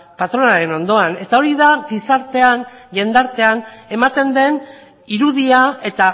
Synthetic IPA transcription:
pat̪ɾo̞naɾe̞no̞nd̪o̞ane̞t̪ao̞ɾiðaɡisaɾt̪e̞anʎe̞nd̪aɾt̪e̞ane̞mat̪e̞nd̪e̞n | iɾuðiae̞t̪a

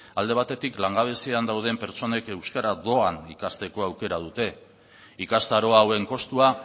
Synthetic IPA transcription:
ald̪e̞β̞at̪e̞t̪iklaŋɡaβ̞e̞siand̪awð̞e̞mpe̞ɾt͡so̞ne̞ke̞wskaɾaðo̞anikast̪e̞ko̞awke̞ɾað̞ut̪e̞ | ikast̪aɾo̞awe̞ŋko̞st̪ua

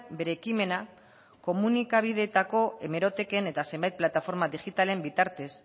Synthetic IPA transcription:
be̞ɾeːkime̞na | ko̞munikaβ̞ið̞e̞t̪ako̞e̞me̞ɾo̞t̪e̞ke̞ne̞t̪ase̞mbajt̪̚plat̪afo̞ɾmaðiɣit̪ale̞mbit̪aɾt̪e̞s

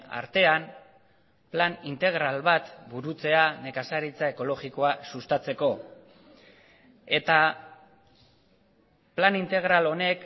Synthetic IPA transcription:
a̰ɾt̪e̞am | planint̪e̞ɣ̞ɾalβat̪buɾut͡se̞ane̞kasaɾit͡sae̞ko̞lo̞ɣiko̞asust̪at͡se̞ko̞ | e̞t̪a | planint̪e̞ɣ̞ɾalo̞ne̞k

